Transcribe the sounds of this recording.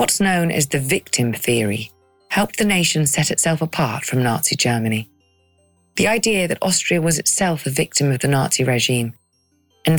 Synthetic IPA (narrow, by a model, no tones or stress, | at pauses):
ʌtsnõʊ̃nʔɪ̰zðɨvɪk̚tʰɨ̃mθɪəɹḭ | hɛlˠp̚ðɨneɪʃɨ̃n̩sɛɾɨtsɛlˠfəpʰɑɹtfɹʌ̃mnɑ̰ɹtsid͡ʒɜ˞mɨni | ðiaɪdiɨðɨɾɔ̰stɹ̥iɨwʌzɨtsɛlˠfɨvɪk̚tɨ̃mʌvðɨnɑɹtsiɹɛʒĩm | ɨ̃n